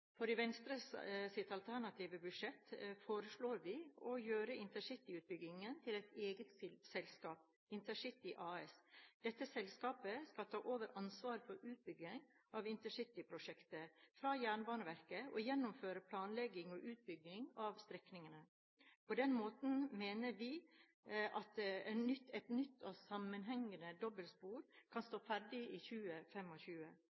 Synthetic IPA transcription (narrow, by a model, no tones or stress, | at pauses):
fɔɖɪʋɛnst̪ɾəssɪt̪ːɑlt̪ʰæɳɑt̪ʰiːʋəbʉʂɛt̪foːɾəsɭoːɾʋɪɔjøːɾəɪnt̪əʂɪt̪ːɪʉːt̪̚bʏɡɪŋənt̪ʰɪlɛɪt̪eːɡət̪ssɛlskɑːp̚ | ɪnt̪əʂɪt̪ːɪʔɑːɛsd̪̥ɛt̪ːəsɛlskɑːpəskɑlt̪ʰɑːʔoːʋəɾʔɑnsʋɑːɾfɔɾʉːt̪̚bʏɡɪŋ | ʔɑʋɪnt̪əʂɪt̪ːɪpʰɾʊʂɛkt̪əfɾɑjæːɳbɑːɳəʋæɾkəɔjɛnːʊmføːɾəpʰlɑːnlɛɡɪŋɔʔʉːt̪̚bʏɡɪŋɑʋst̪ɾɛknɪŋənə | pʰɔd̪ɛnmoːt̪n̩meːnəɾʋɪ | ʔɑt̪ɛnʏt̪ɛt̪nʏt̪ʰːɔsɑmːənɦɛŋːənəd̪ɔbəlspuːɾkʰɑnst̪oːfæɾɖɪiçʉːəfɛmɔçʉːə